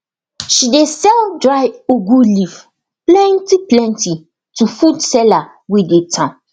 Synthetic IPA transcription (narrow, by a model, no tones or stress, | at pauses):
ʃidesɛldɹaɪoɡulif | plɛ̃ntiplɛ̃nti | tufudsɛla | widetʰã